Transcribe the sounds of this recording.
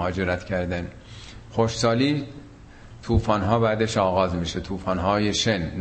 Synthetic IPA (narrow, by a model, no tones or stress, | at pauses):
hɒːd͡ʒe̞ɾæt̪ʰcʰæɾd̪æn | xoʃsɒːliː | t̪ʰuːfɒːnɦɒːbæːd̪eʃɒːɣɒːzmiːʃet̪ʰuːfɒːnɦɒːjeʃenː